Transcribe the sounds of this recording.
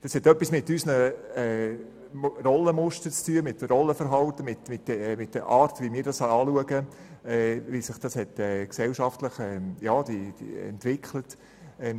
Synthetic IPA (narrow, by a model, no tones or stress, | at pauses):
d̥ɑshɛt̪œpːismɪtysnəɛ | rɔlːəmʊʃtəɾt͡styəmɪtːrɔlːəfəɾɦɑltəmɪtmɪt̚dɛmɪt̚d̥əʔɑːɾtʋimɪːɾdɑsɑɑːluəɡə | ɛːvisɪχd̥ɑshɛtɛːksɛlʃɑftləχɛjɑːd̥̪id̥ḭɛ̰ntʋɪkχlət | ɛ